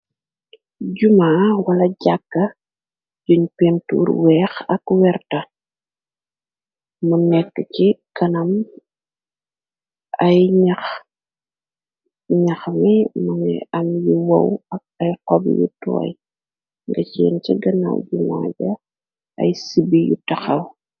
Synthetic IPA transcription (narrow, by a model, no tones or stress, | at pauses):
ɟumaːwɐlɐɟakːɐ | d͡ʒɔɲpɛntṵːɾwɛːxɐkwɛrtɐ | unɛkːəcikɐnɐm | ɐjɲɐx | ɲɐxmimɐnɛ̰ɐmjiwɐ̰wɐk̚ɐjqɔbjṵtɔ̰ːj | ŋɡɐcɛnt͡ʃiɡɐnɐ̰wɟuma̰ːɟɐ | ɐ̰jsibijutɐxɐw